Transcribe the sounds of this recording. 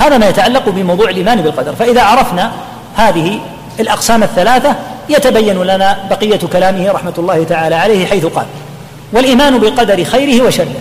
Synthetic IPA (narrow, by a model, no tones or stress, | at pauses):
haːðamaːjat̪aʕalːɑqbɪmɑwðˤuːʕɪlʔiːmaːnbɪlqɑd̪ɑɾˤfaʔɪðaːʕɑɾˤɑfna | haːðɪhɪ | alʔɑqsaːmaθːalaːθajat̪abajːanlanaːbɑqɪjːakalaːmɪhɪɾˤɑħmat̪lˤːaːhɪt̪aʕaːlaːʕalajhɪħajθʊqɑ̰ːl | walʔiːmaːnʊbɪqɑd̪ɑɾɪxajɾɪhɪwaʃarːɪ